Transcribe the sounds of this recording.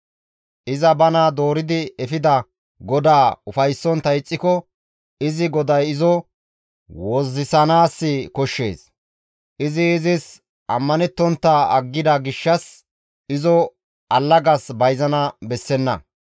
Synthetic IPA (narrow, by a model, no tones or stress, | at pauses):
ʔɪzɐbɐnɐd̪o̞ːɾɪd̪ɪɛfɪd̪ɐ | ɡɔd̪aːʊfɐjsːɔnt̪ːɐɪt͡sʼːɪkɔ | ɪzɪɡɔd̪ɐjɪzɔ | wɔzːɪsɐnaːsːɪkɔʃːe̞̰ːs | ʔɪzɪːzɪs | ɐmːɐnɛt̪ːɔnt̪ːɐɐ̰ɡːɪd̪ɐɡɪʃːɐs | ɪzɔ | ʔɐlːɐɡɐsbɐjzɐnɐbɛsːɛnːɐ̰